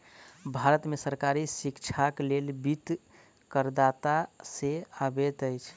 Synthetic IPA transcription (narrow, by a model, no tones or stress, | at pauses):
bʱaɾət̪mesəɾkaɾisikt͡ʃʰaklelbit̪ | kəɾd̪at̪aseabet̪əɪjt͡ʃʰ